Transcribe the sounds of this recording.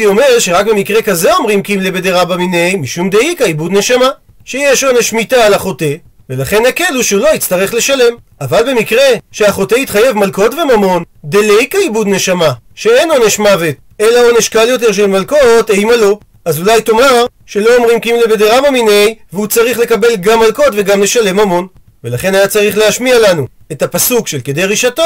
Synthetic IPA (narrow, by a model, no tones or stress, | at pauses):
io̞me̞ʁʃeʁakbe̞mikʁe̞kazeo̞mʁimkimlebed̪eʁabaminejmiʃumd̪eikaibud̪ne̞ʃama | ʃe̞jeʃo̞neʃmitaːlaχo̞te̞ | ve̞laχe̞nakeluʃeulo̞it͡st̪aʁe̞χle̞ʃale̞m | avalbe̞mikʁe̞ʃe̞aχo̞teit̪χaje̞vmalko̞tve̞mamo̞nd̪elejkaibud̪ne̞ʃamaʃe̞eno̞neʃmavet | elao̞neʃkaljo̞t̬eʁʃ̬elmalko̞tejmalo | azulajto̞maʁ | ʃe̞lo̞omʁimkimlebed̪eʁamaminejveut͡saʁiχle̞kabe̞lɡamːalko̞tve̞ɡamle̞ʃale̞mhamo̞n | ve̞laχe̞najat͡saʁiχleaʃmialanu | etapasukʃe̞lked̪e̞jʁiʃato